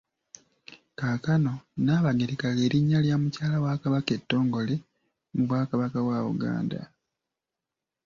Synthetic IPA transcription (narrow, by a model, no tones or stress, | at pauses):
kakano̞naːβaɡeɾekaɣe̞ːɾiɲːaljaːmucaːlawakaβake̞tːo̞ːŋɡo̞le | muβwaːkaβakawaṵɡa̰ːnda̰